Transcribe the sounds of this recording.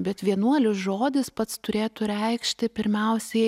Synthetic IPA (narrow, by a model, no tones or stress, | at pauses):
bʲɛt̪ʋʲiɛnuɔlʲɪsʒoːd̪ʲɪspɐt̪st̪ʊɾʲeːt̪ʊɾʲɛɪkʃʲt̪ʲɪpʲɪɾʲmʲɛʊsʲɛɪ